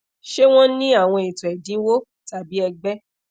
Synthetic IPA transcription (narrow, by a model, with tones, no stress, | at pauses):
ʃe˦w̃ɔ̃˦nĩ˦a˦˨w̃ɔ̃˧e˨tɔ̃˨ɛ˨dĩ˨˦wo˦ | ta˨bi˨˦ɛ˧ɡ͡bɛ˦